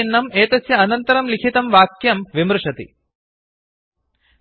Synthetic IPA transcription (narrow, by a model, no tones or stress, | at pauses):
ɐnːɐmeːt̪ɐsjɐɐnɐnt̪ɐɾɐmlikʰit̪ɐmʋaːkjɐmʋimɾuʂɐt̪ḭ